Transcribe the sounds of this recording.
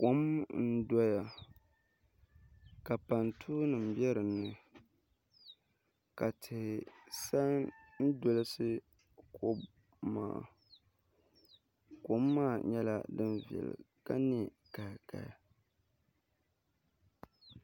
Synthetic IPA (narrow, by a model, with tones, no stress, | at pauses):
ko˨˦mn̩˦dɔ˦ja˨ | ka˨pa˨ntʰuː˦nɨ˨m̩˨bjɛ˦ɾɨ˨nːɨ˨ | ka˨tʰɪ˨hɪ˨sa˦n̩˦do˦lɨ˦sɨ˦ | kʰo˦b | ma̰ː˨ | ko˨mːaː˦˨ɲɛ˦la̰˦dɨ˦nvɛ̰˨lɨ̰˨ | ka˦ni˦ | ka˨ka̰˨ja˨